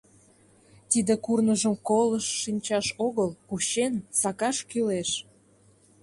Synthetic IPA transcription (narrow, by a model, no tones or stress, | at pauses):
t̪id̪ekurnəʒəmkoləʃːinʲt͡ɕɑʃoɣəlkuɕensɑkɑʃkyleʃ